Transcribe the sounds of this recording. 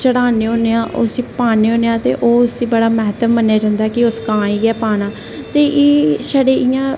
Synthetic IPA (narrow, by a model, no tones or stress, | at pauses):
t͡ʃəɽaːneːɦõːneːãːʔʊ̰sĩːpaːneːɦõːneːãːt̪ḛːʔoːʊsĩːbəɽaːmɛɦt̪əmːənːeaːd͡ʒãːnd̪aɦɛːkɪʊskãːiːɡɛːpaːnãː | t̪eːʔeːsaɽeːɪjãː